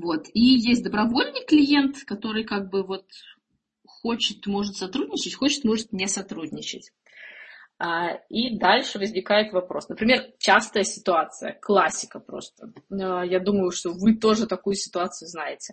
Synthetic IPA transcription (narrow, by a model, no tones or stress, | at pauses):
vo̞t̪ijesʲtʲd̪əbɾɐvo̞lʲnɨjklʲɪje̞nt̪kɐt̪o̞ɾɨjkaɡ̚bɨvo̞t̪ | xo̞t͡ɕɪt̪mo̞ʐɨt̪sɐt̪ɾudʲnʲɪt͡ɕɪtʲxot͡ɕɪ̥t̪mo̞ʐɨt̪̚nʲɪsɐt̪ɾudʲnʲɪt͡ɕɪ̰tʲ | aid̪alʲʂɨvəzʲnʲɪkajɪt̪vɐpɾo̞̰snəpɾʲɪmʲe̞rt͡ɕast̪əjəsʲɪ̥t̪ʊat̪sɨjə̰klˠasʲːɪ̥kəpɾo̞̰st̪əəjad̪uməjʊʂt̪o̞vɨt̪o̞ʐɨt̪ɐkujʊsʲɪ̥t̪ʊat̪sɨjʊznajɪtʲɪ̥